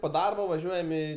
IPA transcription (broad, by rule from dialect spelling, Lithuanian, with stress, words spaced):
poː ˈdɐrbɐ ʋɐˈʒʲuɔjɛm ɪ